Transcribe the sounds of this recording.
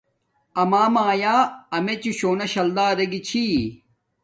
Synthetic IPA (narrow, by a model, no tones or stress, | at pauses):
ɐmaːmaːjaːɐmet͡ɕiɕoːnɐɕɐld̪aːɾɐɡit͡ɕʰi